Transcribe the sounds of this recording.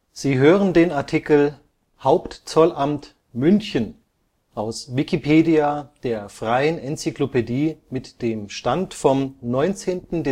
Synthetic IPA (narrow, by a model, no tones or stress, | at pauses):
z̥iːɦøːʁəndeːnaɐtʰikl̩ | haʊptt͡sɔlʔamt | mʏnçən | ʔaʊsvikipʰeːdiad̥eːɐfʁ̥aɪənʔɛnt͡siklopediːmɪtd̥eːmʃtantfɔmnɔʏnt͡seːntn̩dɛ